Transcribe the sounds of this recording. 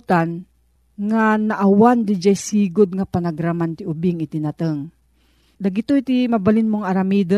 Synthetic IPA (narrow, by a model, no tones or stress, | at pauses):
t̪an | ŋanaʔawand̪ɪd͡ʒajsiːɡʊd̪̚ŋapanaɡɾamant̪iʔʊbɪŋɪt̪ɪnat̪əŋ | d̪aɡɪt̪ojt̪imabalɪnmoŋaɾamiːd̪ə